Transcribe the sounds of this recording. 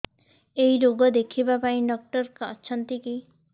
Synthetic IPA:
ejɾoɡɔd̪ekʰibapaĩɖɔk̚ʈɔɾkɔɔ̰ːt͡ʃʰɔnt̪iki

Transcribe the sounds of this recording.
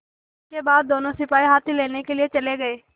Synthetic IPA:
ɪskebaːd̪̚ːoːnõsɪpaːiɦaːt̪ʰileːnekelɪet͡ʃəleɡəeː

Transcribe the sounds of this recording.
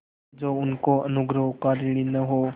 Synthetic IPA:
d͡ʒoːʊnkoɐnʊɡɾəɦkaːɾiɽinəɦoː

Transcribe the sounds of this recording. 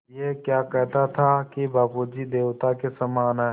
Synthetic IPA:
jekjaːkɛɦt̪at̪ʰakibʱaːpod͡ʒid̪eːwt̪akesamaːnɦɛː

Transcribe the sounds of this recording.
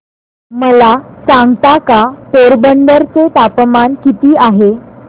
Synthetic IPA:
məlasãŋɡt̪akapoɾbəɳɖəɾt͡set̪apmankit̪iːaɦe

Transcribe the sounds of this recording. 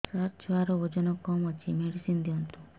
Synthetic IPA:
saɾt͡ʃʰʋaɾood͡ʒɔnɔkɔmət͡ʃimeɽisind̪iont̪ũ

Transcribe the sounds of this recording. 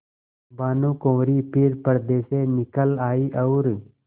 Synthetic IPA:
baːnũːkõːɾiːpʰɪɾpəɾd̪eːseːnɪkəlaːiːʔəʊɾ

